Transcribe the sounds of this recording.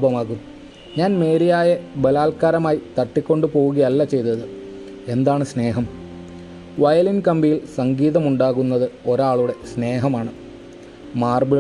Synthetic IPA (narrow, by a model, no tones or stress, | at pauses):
bɐmaːɣunːu | ɲaːnme̞ːɾijaːjebɐlaːlkaːɾɐmaːjit̪ɐʈːikʲːo̞ɳɖɨpo̞ːuɣɐjɐlːɐt͡ɕe̞jt̪ɐðɨ | e̞nd̪aːɳɨsne̞ːɦɐm | ʋɐjɐlinkɐmbijilsɐŋɡiːðɐmuɳɖaːɣunːɐðɨo̞ɾaːɭuɽe̞sne̞ːɦɐmaːɳɨ | maːrbi